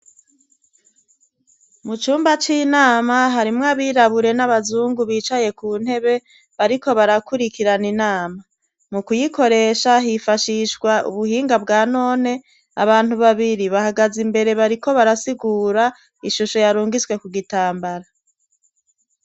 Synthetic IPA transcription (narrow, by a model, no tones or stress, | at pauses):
mut͡ʃuːmbat͡ʃiːnaːmaɦaɾimŋaβiːɾaβuɾe̞naβazuːŋɡuβiːt͡ʃaje̞kuːn̥he̞βe̞ | βaɾiko̞βaɾakuɾikiɾaninaːma | mukujiko̞ɾe̞ːʃaɦifaʃiʃɡwaʔṵβuhiːŋɡabɡaːno̞ːne̞ | a̰βaːnhuβaβiɾiβahaɡazimbe̞ɾe̞βaɾiko̞βaɾasiɡuːɾa | iʃuʃo̞jaɾuːŋɡizɡwe̞kuɡitaːmbaɾa